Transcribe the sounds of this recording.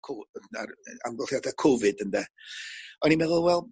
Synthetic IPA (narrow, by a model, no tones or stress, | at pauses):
kʰoara̰mɡɔlˠhjadakʰʊvɨdəndɛ | ɔnimɛðʊlˠwɛlˠ